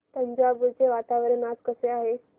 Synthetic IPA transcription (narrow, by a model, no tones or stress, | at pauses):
t̪əɲd͡ʑaɡut͡ɕeʋat̪aʋəɾenad͡zkəseaɦe